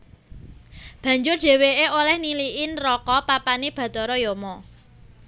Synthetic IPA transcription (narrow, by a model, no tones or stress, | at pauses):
b̥ä̤ɲd͡ʒʊrd̪̥e̤weʔeolɛhniliʔɪnrɔkɔpapaneb̥ä̤t̪ɔɾɔjɔmɔ